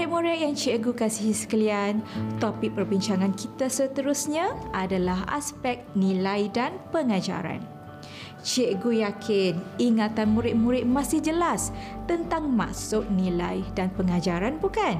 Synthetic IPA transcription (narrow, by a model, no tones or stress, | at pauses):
ɪt̪̚muɾaʔjaŋt͡ʃeʔɡukasihsə̥kəliant̪opɪk̚pərbiɲt͡ʃaŋãnkit̪asət̪əɾusɲãʔadalaɦa̰spɛk̚nĩlajdanpəŋad͡ʒa̰ɾa̰n | t͡ʃeʔɡujakʰɪniŋat̪anmuɾɪt̪̚mũɾɪt̪̚mãsɪhd͡ʒəlast̪ənt̪aŋmã̰ʔsʊk̚nĩlajdanpəŋad͡ʒaɾanbukan